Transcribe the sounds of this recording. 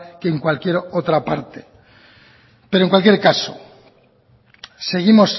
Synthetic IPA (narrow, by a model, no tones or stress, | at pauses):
keːŋkwalkjeɾot̪ɾapa̰ɾt̪e | peɾoeŋkwalkje̞ɾkaso̰ | se̞ɣimos